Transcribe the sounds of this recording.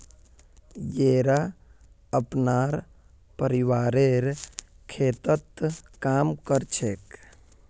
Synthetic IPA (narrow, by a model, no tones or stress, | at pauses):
jeːɾa | əpnaːɾ | pəɾiwaːɾeɾ | kʰeːt̪ət̪kaːmkəɾt͡ʃʰek